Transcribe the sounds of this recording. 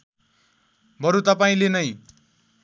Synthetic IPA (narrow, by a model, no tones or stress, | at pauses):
bʌɾut̪ʌpaĩlenʌj